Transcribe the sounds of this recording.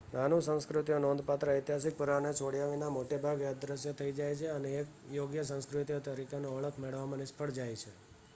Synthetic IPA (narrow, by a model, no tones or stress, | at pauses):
nanũsə̃nskɾut̪ijonond̪pat̪ɾəəjt̪iɦasik̚puɾanet͡ʃʰoɽijaʋinamoʈebʱaɡʋad̪ɾəsjot̪ʰəid͡ʒajt͡ʃʰeəneːkjoɡjəsə̃nskɾut̪ijot̪əɾikenõəɭəkʰmeɭəʋmãnɪspʰəɽd͡ʒajt͡ʃʰe